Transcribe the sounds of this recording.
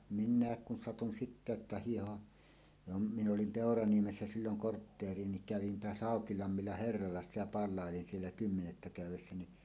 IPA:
minˑæˑek kun sɑtun sitːæ etːæ hiːhoʔ jo m mi nolim peˑorɑniemesːæ silːoŋ kortːeːrˑie niŋ kæʋin toɑs hɑˑokilɑmːilːɑ herːɑlɑsːɑ jɑ pɑlˑɑˑelin sielːæ kymːenetːæ kæˑywˑesːæ ni

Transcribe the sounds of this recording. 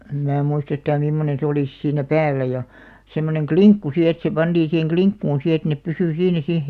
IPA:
em mæː muist yhtæː mimːonen̞ se oliˑs siːnːæ pæːlːæ jɑ semːoneŋ kliŋkːu si et se pɑnd̥iːĩ siheŋ kliŋkːuːn si et nep pysy siːnæ sih̆

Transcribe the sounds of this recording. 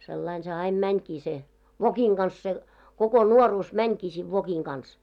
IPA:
selːɑin se ɑim mænʲkiː se ʋokiŋ ɡ̊ɑns se koko nuoruːs mænʲkiː siːʋ ʋokiŋ ɡ̊ɑns

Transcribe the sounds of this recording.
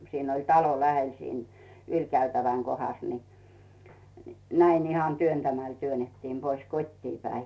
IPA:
siːn olʲ tɑlo læhel siːn ylʲkæytæʋæŋ kohɑs ni næin ihɑn tyøntæmæl tyønetːiːm pois kotʲtiː pæi

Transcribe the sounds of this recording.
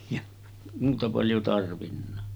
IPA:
jɑ muːtɑ pɑljo tɑrʋinːɑ

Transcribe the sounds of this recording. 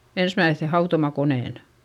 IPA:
ensmæiθːe hɑutomɑkoneˑn

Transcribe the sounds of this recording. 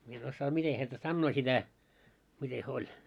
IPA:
mie en osːɑː mite hæntæ sɑnːoː sitæ mite hyø olʲ

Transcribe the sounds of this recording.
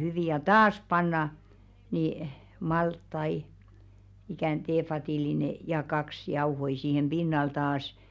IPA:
hyʋi jɑ tɑːs pɑnːɑ niˑ mɑltːɑi ikæˑn teːfɑtiˑlineˑ jɑ kɑks jɑuhoi siːhem b̥inːɑl tɑːs

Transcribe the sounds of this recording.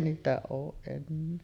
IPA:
niːtæ oːʔ ʔenːeː

